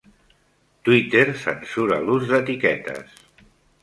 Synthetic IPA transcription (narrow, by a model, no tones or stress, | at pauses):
t̪wit̪eɾsə̰nsuɾa̰luzðət̪ikɛt̪ə̰s